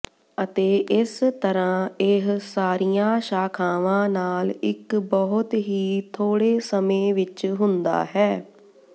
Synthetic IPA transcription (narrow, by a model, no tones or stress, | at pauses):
ət̪eːʔɪst̪əɾãːɪɦsaːɾijãːʃaːkʰaːʋãːnaːlɪkbɔɦʊt̪ɦiːt̪ʰoːɽeːsəmẽːʋɪt͡ʃɦʊnd̪a̰ːɦɛː